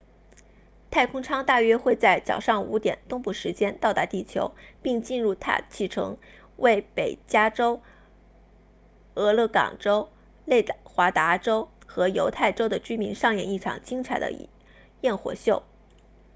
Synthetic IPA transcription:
t̪ʰa˥˩ɪkʰʊ˥ŋʈ͡ʂʰɑ˥ŋt̪a˥˩ɥɛ˥xwe˥˧ɪt͡sa˥˩ɪt͡sɑ˨˩ʊʂɑ˥˩ŋṵ˧˥t̪jɛ̰˨˩nt̪ʊ˥ŋpu˥˩ʂɻ̩˧˥t͡ɕjɛ˥nt̪ɑ˥˧ʊt̪a˧˥t̪i˥˩t͡ɕʰjo̰˧˥ʊpi˥˧ŋt͡ɕi˥˧nɻu˥˧t̪ʰa̰˥˧t͡ɕʰi˥˩ʈ͡ʂʰɤ̰˧˥ŋ | we˥˩ɪpe˨˩ɪt͡ɕja˥ʈ͡ʂo˥ʊ | ɤ˧˥lɤ˥˩kɑ̰˨˩ŋʈ͡ʂo˥ʊ | le˥˩ɪxwa˧˥t̪a˧˥ʈ͡ʂo˥ʊxɤ˧˥jo˧˥ʊt̪ʰa˥˩ɪʈ͡ʂo˥ʊd̪ə˨t͡ɕy˥mi˧˥nʂɑ˥˧ŋjɛ˥˩ni˥˩ʈ͡ʂʰɑ̰˨˩ŋt͡ɕi˥ŋt͡sʰa˨˩ɪd̪ə̰˦ | jɛ˥˩nxwɔ̰˨˩ɕjo˥˩ʊ

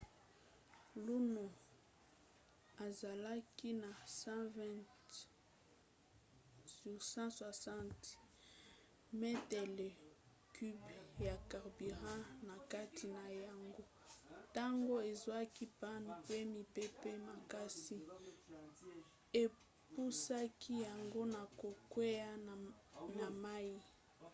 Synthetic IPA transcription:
lu˦no˨ | a˨za˨la˦ki˦na˨sã˦vɛ̃˦t | ssã˦swa˨sã˦nt | me˦tɛ˨le˨ | ky˦bja˨ka˨ʁbi˨ʁã˦na˨ka˦tʰi˨na˨ja˨ŋɡo˦ | ta˦ŋɡo˦e˨zwa˦ki˦pa˦n˨pe˦mi˨pe˦pe˦ma˨ka˦si˦ | e˨ | pu˦sa˦kʰi˦ja˨ŋɡo˦na˨ko˨kwe˦ja˦ | na˨ma˦i˦

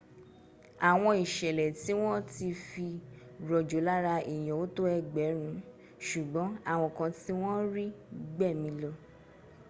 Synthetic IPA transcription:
a˨w̃ɔ̃˧i˨ʃɛ˨lɛ˨ti˨˦w̃ɔ̃˦ti˧fi˧ɾɔ˨d͡ʒo˨˦la˦ɾa˧i˨j̃ɔ̃˨o˨˦to˦ɛ˦ɡ͡bɛ˨˦ɾ̃ũ˨˦ | ʃu˨ɡ͡bɔ̃˨˦a˦˨w̃ɔ̃˧kã˧ti˦w̃ɔ̃˦ɾi˦ɡ͡bɛ˦˨mĩ˧˦lɔ˧

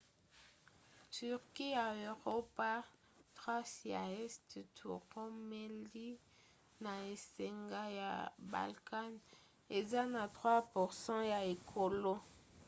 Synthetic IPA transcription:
ty˨ʁki˦ja˨ø˨ʁo˦pa˦ | tʁwa˦sja̰˨ɛ˦sttʰṵ˨ʁɔ̃˦me˦li˦ | na˨e˨se˨ŋɡa˦ja̰˨ba̰˨lka˦n | e˨za˦na˨tʁwa˦pu˨ʁsɑ̃˦ja˨e˨kʰo˨lo˦

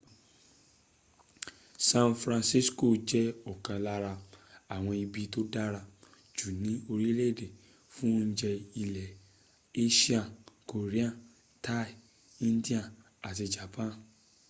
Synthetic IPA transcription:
sã˧nfɾã˧nsi˦sko˦˨d͡ʒɛ˨˦ɔ˨kã˨la˦ɾa˧a˨w̃ɔ̃˧i˧bi˦to˦da˦ɾa˧ | d͡ʒu˨nĩ˨˦o˧ɾi˦le˦˨de˨ | fũ˦n̩˦d͡ʒɛ˧i˧lɛ˨ | e˦ʃi˦a˦˨ko˨ɾe˦ã˦˨ | ta˦i˨ | ĩ˦n˦di˦ã˦˨ | a˨ti˧d͡ʒa˨pã˦n

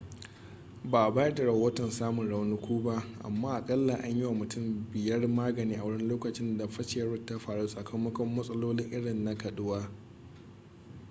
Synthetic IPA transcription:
baː˨ʔa˨baː˦jɐ˦rda˨ɽɐ˨hoː˦tɔ˨nsaː˦mʊ˨nɽa˨wnʊ˦kʷuː˦ba˦ʔʔa̰˨mːaː˦ʔa˨kʼɐ˦lːa˨ʔa˦ɲjɪ˦wa˨mʊ˨tʊ˦˨mbɪ˨jɐ˦rmaː˦ɡɐ˨niː˦ʔa˨wɐ˦ɽɪ˦n˦loː˦kɐ˨t͡ʃɪ˦nda˨ɸɐ˦t͡ʃɪ˨jɐ˦ɽʊ˦tːa˦ɸaː˨ɽuː˦sʼɐ˨kʰɐ˦mːɐ˦kʷɔ˦mːɐ˦sʼɐ˦loː˦lɪ˦ŋʔɪ˦ɽɪ˨nːa˦kɐ˨ɗʊ˦waː˦

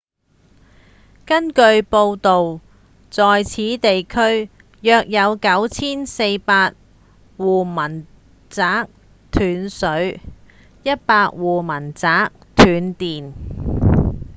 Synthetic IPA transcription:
kɐ˥nkɵ˧ɥpo˧wt̪o˨w | t͡sɔː˨jt͡sʰiː˨˥t̪e˨jkʰɵ˥ɥ | jœː˧k̚jɐ˨˧wkɐ˨˥wt͡sʰiː˥nse˧jpaː˧t̚ | wuː˨˩mɐ˨˩n | t͡saː˨˥k̚ | t̪ʰyː˨˥nsɵ˨˥ɥ | jɐ˥t̚paː˧k̚wuː˨mɐ˨˩nt͡saː˨˥k̚t̪ʰyː˨˥nt̪iː˨n

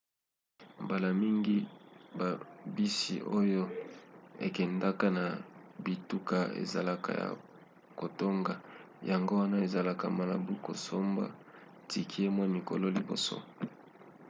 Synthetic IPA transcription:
mba˨la˨mi˦ŋɡi˦ba˨bi˦sḭ˨ʔo˦jo˦ | e˨kɛ˨nda˦ka˦na˨bi˨tu˦ka˦ḛ˨za̰˨la˨ka̰˨ja̰˨ | ko˨to˦ŋɡa˨ | ja˨ŋɡo˦wa˦na˦e˨za˨la˨ka˨ma˨la̰˨bu˦ko̰˨so˦mba̰˦ | ti˨kʰi˦e˦mwa˦˨mi˨ko˨lo˦li˨bo̰˨so̰˦

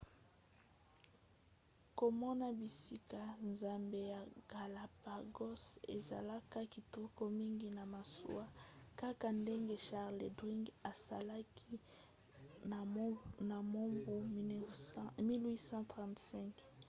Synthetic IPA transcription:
ko˨mɔ˦na˦bi˨si˦ka˨nza˨mbe˦ja˨ɡ̥a˨la˨pa˨ɡɔ˦sḛ˨za̰˨la˦ka˦ki˨tu˦ko˦mi˦ŋɡi˦na˨ma˨sṵ˦a˦ka˦ka˨nde˦ŋɡe˦ʃa˦ʁle˨dʁi˦ŋɡa˨sa̰˨la˦ki˦˨ | na˨mo˦mbu˦ | mi˦lwi˦sɑ̃˦tʁã˨ntsɛ̃˦ŋk

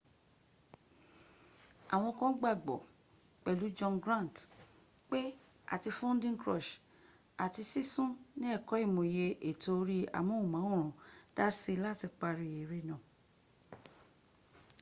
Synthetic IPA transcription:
a˨w̃ɔ̃˧kɔ̃˦ɡ͡ba˦˨ɡ͡bɔ˨ | k͡pɛ˨lu˨˦d͡ʒɔ̃˧nɡɾã˦˨n˨t | k͡pe˦ | a̰˨ti˧fɔ̃˦n˦dĩ˦ŋkɾɔ̰˦˨ʃ | a˨ti˧si˦sũ˦nĩ˦ɛ˦˨kɔ˨˦i˦˨mõ˨je˧ʔe˨to˧ɾi˦a̰˨mũ˨˦u˦˨mã˨˦o˦˨ɾ̃ũ˨d̥a˦se˧la˦˨ti˧k͡pa˧ɾi˨e˨ɾe˧˦nã˨

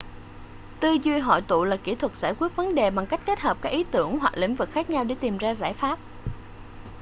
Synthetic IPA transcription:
t̪ɨ˧zi˧əjɦɔ̰˧˩˨jt̪ṵ˧˨laː˨˩ki˧˩t̪ʰwə˨˩t̚z̥aː˧˩jkwi˦˥ət̚və˨˦nɗe˨˩ɓa˨˩ŋka˦˥jk̟̚ke˦˥t̚həː˨˩p̚kaː˦˥k̚ʔi˨˦t̪ɨ˧˩əŋhwa˨˩k̚lḭ˧˥ŋ̟vɨ˨˩k̚xaː˦˥k̚ɲa˧wɗe˧˩t̪i˨˩mzaː˧zaː˧˩jfaː˦˥p̚

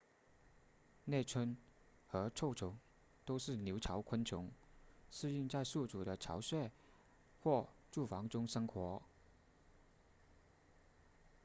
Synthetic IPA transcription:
nɛ˥˩ɪt͡sʰwə˥n | xɤ˧˥ʈ͡ʂʰo˥˩ʊʈ͡ʂʰʊ˧˥ŋ | t̪o˥ʊʂɻ̩˥˩njo˧˥ʊʈ͡ʂʰɑ˧˥ʊkʰwə˥nt͡ɕʰʊ˧˥ŋsɹ̩˥˧y˥˧ŋt͡sa˥˧ɪsu˥˩t͡su˨˩ɾə˦ʈ͡ʂʰɑ̰˧˥ʊɕɥɛ˥˩ɪ | xwɔ˥˧ʈ͡ʂu˥˩fɑ˧˥ŋʈ͡ʂʊ˥ŋʂɤ˥ŋxwɔ˧˥

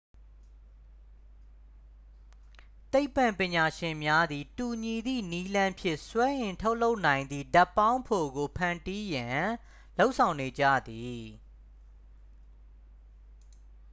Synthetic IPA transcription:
t̪e˦ɪpːã˨mpɪ̃˨ɲa˨ʃɪ̃˨mja˦d̪i˨tu˨ɲi˨d̪ḭ˦˨ni˦lã˦mpʰjɪ̰̃˦˨ʔswɛ˦ʔɪ̃˨ntʰo˦ʊʔlo˦ʊʔnã˨ɪ̃nd̪ði˨da˦˨pːã˦ʊ̃mpʰo˨ɡo˨pʰã˨nti˦jã˨ | lo˦ʊʔsʰã˨ʊ̃ne˨d͡ʑa̰˦˨d̪i˨

